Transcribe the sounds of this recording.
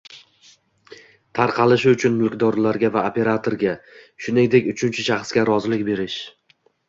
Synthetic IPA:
t̪ʰaɾqʰɑlˠɪʃɪʊt͡ʃʰʊnmʊlˠkʲd̪ɒɾlaɾɡʲavaopʰe̞ɾat̪ʰoɾɡʲaʃʊnɪŋd̪e̞kʲʊt͡ʃʰʊnt͡ʃʰɪʃɑχsɡʲaɾɒzɪlɪkʲbe̞ɾɪʃ

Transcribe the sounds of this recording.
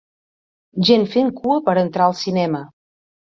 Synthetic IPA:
ʒenfeŋkuəpəɾənt̪ɾaəlˠsinɛmə

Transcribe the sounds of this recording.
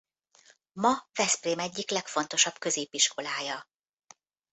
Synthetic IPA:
mɒvɛspreːmɛɟːiklɛkfo̞nt̪o̞ʃɒbkø̞zeːpiʃkʰo̞laːjɒ

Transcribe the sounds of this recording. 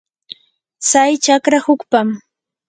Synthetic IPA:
t͡sajt͡ʃakɾahʊkpam

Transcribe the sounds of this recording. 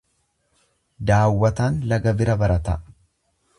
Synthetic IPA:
d̪aːwːɐt̪aːnlɐɡɐbɪɾɐbɐɾɐt̪ɐ

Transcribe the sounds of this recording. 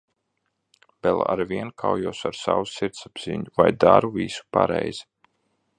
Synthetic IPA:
bɛlˠa̰ɾviɛnkʰawjuɔsaɾsawusiɾt̪sab̥z̥iɲuvajd̪aɾuviːsu̥paɾɛjz̥i

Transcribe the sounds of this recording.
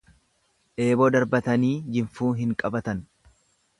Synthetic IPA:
ʔe̞ːbo̞ːd̪ɐɾbɐt̪ɐniːd͡ʒɪɱfuːɦɪŋkʼɐbɐt̪ɐn

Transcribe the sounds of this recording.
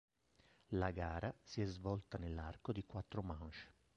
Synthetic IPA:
laɡaːɾʔasiɛzvɔlt̪anelːarkod̪ikwat̪ːɾomant͡ʃ

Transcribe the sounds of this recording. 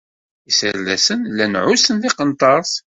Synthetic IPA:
isəɾlæsənlːænʕʊsənðiqənt̪ˤɑɾˤs

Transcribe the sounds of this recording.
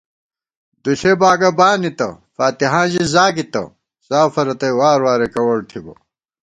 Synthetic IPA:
d̪uɬebaːɡɐbaːnit̪ɐ̰ | faːt̪iɦãːʑizaːkit̪ɐ̰ | zaːfɐɾɐt̪ɐjwaːɾwaːɾekɐwɐɽt̪ʰibɐ̰

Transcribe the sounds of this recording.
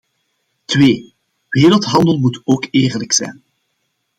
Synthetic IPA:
tweː | ʋeːɾəlˠtɦɑndəlˠmutoːkeːrləksɛ̰jn

